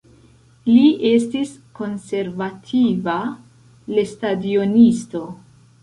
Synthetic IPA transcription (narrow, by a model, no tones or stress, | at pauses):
liʔe̞stisko̞nse̞ɾvatʰiva | le̞stadio̞nisto̞